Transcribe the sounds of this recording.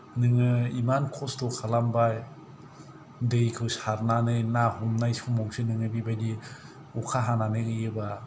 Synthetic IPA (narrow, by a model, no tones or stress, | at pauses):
nɯŋɯimankʰɔstɔkʰalambaj | dɯjkʰɯwsaɾnanɯjnahumnajsumɔŋsɯnɯŋɯbibajdi | ukʰaɦananɯɡɯjɯba